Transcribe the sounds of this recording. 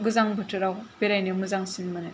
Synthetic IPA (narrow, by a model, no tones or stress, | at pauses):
ɡɯzaŋbɯtʰɯɾawbeɾajnemɯzaŋsinmɯne